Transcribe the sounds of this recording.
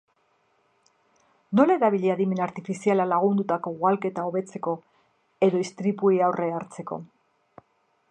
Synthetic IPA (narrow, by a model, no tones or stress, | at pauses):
no̞laeɾaβ̞iʎeaðime̞naɾt̪ifisialalaɣ̞und̪ut̪ako̞ɣwalke̞t̪ao̞βe̞t͡se̞ko̞ | e̞ðo̞ist̪ɾipuiawrʔeaɾt͡se̞ko̞̰